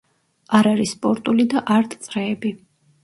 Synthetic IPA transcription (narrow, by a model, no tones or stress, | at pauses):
aɾaɾisːpʼɔɾt̪ʼulid̪aʔaɾt̪ʼt̪sʼɾɛːbi